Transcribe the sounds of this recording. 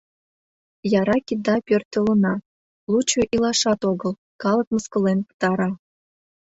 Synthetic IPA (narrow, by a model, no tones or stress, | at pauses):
jɑɾɑkʲid̪ɑpʲørt̪ʲelə̆nɑ | lut͡ɕoʔilɑʃɑt̪oɣəl | kɑlə̆k̚məskə̆lenpə̥t̪ɑɾɑ